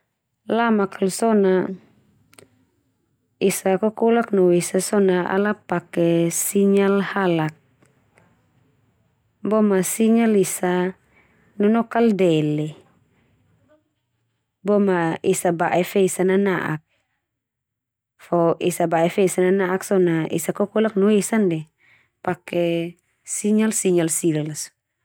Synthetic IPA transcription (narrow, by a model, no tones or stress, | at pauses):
lamakʰalsɔna | isakɔkɔlak̚nɔwisasɔnaʔa̰lapakɛsiɲalhalak̚ | bɔmasiɲalisa | nɔnɔkaldɛlɛ | bɔmaisabaʔɛfɛisananaʔa̰k̚ | fɔʔisabaɛfɛisananaʔaksɔnaḭsakɔkulak̚nuesandɛ | pakɛ | siɲalsiɲalsilalasu̥